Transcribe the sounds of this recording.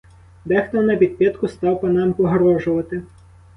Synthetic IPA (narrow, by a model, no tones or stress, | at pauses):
bɛxt̪ɔnːɐpʲid̪̚pʲɛt̪kʊst̪ɑwpɔnɑmpɔɦɔɾɔʒʊʋɐt̪ɪ